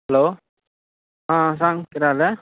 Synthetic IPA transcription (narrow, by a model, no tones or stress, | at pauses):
hɛlo | ɦãsaŋkiɾale